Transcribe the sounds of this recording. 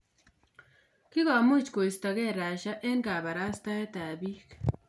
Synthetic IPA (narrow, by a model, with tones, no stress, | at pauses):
ki˦ɣa˨mu˦t͡ʃko˨i˨sta˨ɣe˦˨ɾa˨ʃa˦ʔe˦ŋka˨βa˨ɾa˦sta˦e˦ta˨bi˦k